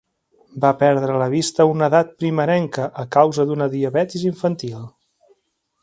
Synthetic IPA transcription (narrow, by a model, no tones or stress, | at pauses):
bapɛɾðɾələβ̞ist̪əunəðat̪̚pɾiməɾɛŋkəʔəkawzəd̪unəðiəβɛt̪iziɱfənt̪ilˠ